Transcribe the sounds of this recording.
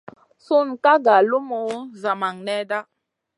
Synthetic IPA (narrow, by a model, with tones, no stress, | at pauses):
su˦nka˦ɡa˨lu˦mo˨˦za˨ma˨ŋnɛ˦da˦